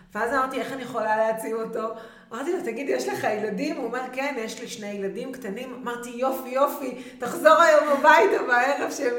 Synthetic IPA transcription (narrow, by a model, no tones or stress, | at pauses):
veazamaʁt̪ie̞χanijeχo̞laleat͡simo̞to̞ | amaʁt̪ilot̪aɡid̪jeʃleχajeladimuomeʁke̞njeʃliʃne̞jladimktanimamaʁt̪ijo̞fijo̞fitaχzo̞ʁajo̞mbabajtamaeʁevʃe